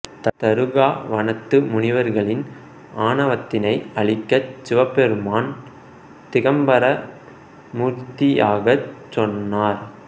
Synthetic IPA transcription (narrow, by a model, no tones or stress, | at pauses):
t̪ɐt̪ɐɾɯɣaːʋɐnɐt̪ːɯmʊnɪʋɐɾɣɐɭɪn | ʔaːnɐʋɐt̪ːɪnɐɪɐɭɪkːɐsɪʋɐpːɛɾɯmaːn | t̪ɪɣɐmbɐɾɐ | muːɾt̪ɪjaːɣɐt͡ʃːɔnːaːɾ